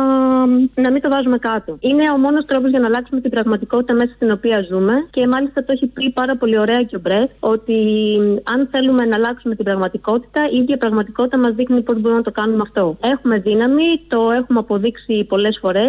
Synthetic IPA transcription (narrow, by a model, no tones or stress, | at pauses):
nɐmint̪o̞vɐzume̞kɐt̪o̞ine̞o̞mo̞no̞st̪ɾo̞pozʝɐnɐlɐksume̞t̪ibɾɐɣmɐt̪iko̞t̪i̥t̪ɐme̞sɐst̪ino̞piɐzume̞ce̞mɐlist̪ɐt̪oe̞çipipɐɾɐpo̞lio̞ɾe̞ɐceo̞bɾe̞ko̞t̪i | ɐnθe̞lume̞nɐlɐksume̞t̪ibɾɐɣmɐt̪iko̞t̪i̥t̪ɐiiðʝɐpɾɐɣmɐt̪iko̞t̪it̪ɐmɐzðixnipo̞zboɾumnɐt̪o̞kɐnumeɐft̪o̞e̞xume̞ðinɐmit̪o̞e̞xumeɐpo̞ðiksipo̞le̞sfo̞ɾe̞s